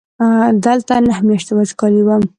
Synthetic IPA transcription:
d̪əlt̪anahmjɑʃt̪awad͡ʒkɑliwəm

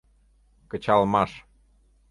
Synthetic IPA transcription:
kə̆t͡ɕɑlmɑʃ

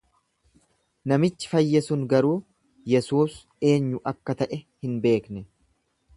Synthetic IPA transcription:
nɐmɪt͡ʃːɪ̥fɐjːɛsʊŋɡɐɾuː | jɛsuːs | e̞ːɲːʊʔɐkːɐt̪ɐʔɛhɪnbe̞ːknɛ

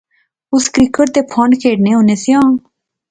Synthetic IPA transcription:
ʊskɾiːkəʈt̪eːpʰɔ̃ɳɖkʰeːɽneːɦoːneːsɪjãː

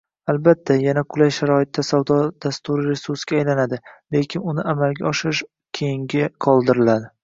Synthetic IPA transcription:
albat̪ʰːajanaqʰʊlajʃaɾɒɪt̪ːasawd̪ɒd̪̥ast̪ʊɾɪɾe̞suɾsɡʲaːjlanad̪ɪlekʲʰɪnʊnɪamalɡʲaɒʃɪɪʃ | kʲʰejɪŋɡʲɪqʰɒlˠd̪ɪɾɪlad̪ɪ

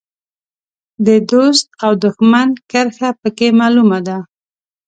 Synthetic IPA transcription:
d̪əd̪ost̪̚awd̪ʊxmankəɾxapəkemɑlumad̪a

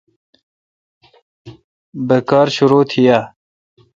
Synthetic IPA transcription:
bəkɑːɾɕuɾuːt̪ʰija

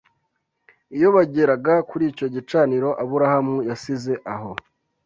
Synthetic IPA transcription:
ijo̞βaɟe̞ɾaɡakuɾiːco̞ɟit͡ʃaːniɾo̞ʔaβuɾahamujasize̞ʔaɦo̞

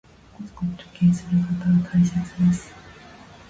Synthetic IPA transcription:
kozkot̪ːokẽːsɨɾɯ̟kat̪aɡat̪ʰaiset͡sɨd̪esɨ̥

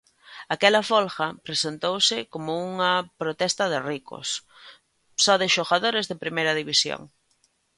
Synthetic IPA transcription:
akɛlɐfolxɐpɾesent̪owsɪkomʊuŋɐpɾot̪ɛst̪ɐðɪrikʊ̰s | sɔðɪʃoɣaðoɾɪzðepɾimejɾɐðiβisjo̰ŋ

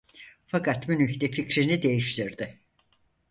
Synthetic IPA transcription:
fakʰat̪mynyçd̪ɛficɾinid̪e̞jiʃt̪ʰiɾd̪ɪ

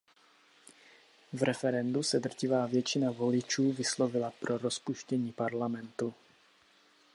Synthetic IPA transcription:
vɾɛfɛɾɛndusɛd̪r̩cɪvaːvjɛt͡ʃɪnavo̞lɪt͡ʃuːvɪslo̞vɪlapɾo̞ɾo̞spuʃcɛɲiːpaɾlamɛnt̪u

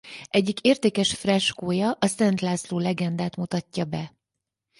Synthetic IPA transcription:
ʔɛɟːikeːrt̪eːkɛʃfrɛʃkoːjɒʔɒsɛnt̪laːsloːlɛɡɛnd̪aːt̪mut̪ɒcːɒbɛ

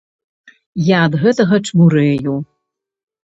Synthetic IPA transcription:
jaːd̪ɣɛt̪ɐɣɐt͡ʂmuɾɛju

